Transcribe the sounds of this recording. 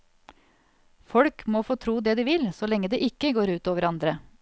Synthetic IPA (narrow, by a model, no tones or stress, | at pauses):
fɔɽkmoːfoːt̪ʰɾuːd̪eːd̪iːʋɪlsoːlɛŋːəd̪eːʔɪkːəɡoːɾʉːt̪oːʋəɾɑnd̪ɾə